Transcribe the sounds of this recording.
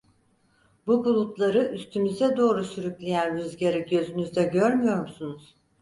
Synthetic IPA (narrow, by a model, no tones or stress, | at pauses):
bubulˠut̪lˠaɾɯʔyst̪ʰymyzɛd̪o̞ːɾusyɾyclʲejænɾyzɟeɾiɟø̞zynyzd̪ɛɟøɾmyjo̞ɾmusunuz̥